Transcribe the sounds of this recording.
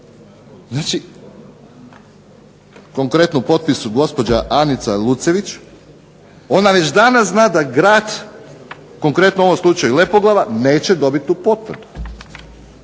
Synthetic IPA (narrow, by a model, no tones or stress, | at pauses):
znaːt͡ʃi | ko̞ŋkɾe̞t̪nopo̞t̪̚pisuɡo̞spo̞d͡ʑaʔanit̪salˠut̪se̞ʋit͡ʃ | o̞naʋe̞t͡ɕd̪anazznaːd̪aɡɾaːd̪ | ko̞ŋkɾe̞t̪noo̞ʋomslˠut͡ʃajule̞poɡlˠaʋane̞ːt͡ɕe̞d̪o̞bit̪ʲːupo̞t̪ʋr̩d̪u̥